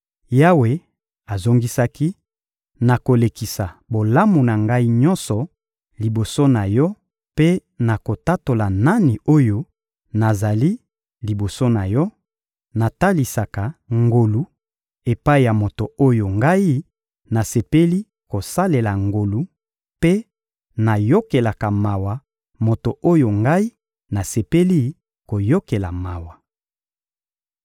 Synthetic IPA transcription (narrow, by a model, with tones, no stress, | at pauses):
ja˦we˨ | a˨zo˦ŋɡi˦sa˦ki˦ | na˨ko˨le˨ki˨sa˨bo˨la˦mu˨na˨ŋɡa˦i˦ɲɔ̃˦nsɔ˨ | li˨bo˨so˦na˨jɔ˦ | pe˦na˨ko˨ta˦to˨la˨na˦ni˨o˦jo˦ | na˨za˨li˦ | li˨bo˨so˦na˨jɔ˦ | na˨ta˦li˨sa˨ka˨ŋɡo˨lu˦ | e˨pa˦i˨ja˨mo˨to˨o˦jo˨ŋɡa˦i˦ | na˨se˨pe˦li˦ | ko˨sa˦le˨la˨ŋɡo˨lu˦ | pe˦ | na˨jo˦ke˨la˨ka˨ma˨wa˨ | mo˨to˨ʔo˦jo˨ŋɡa˦i˦ | na˨se˨pe˦li˦ | ko˨jo˦ke˨la˨ma˨wa˨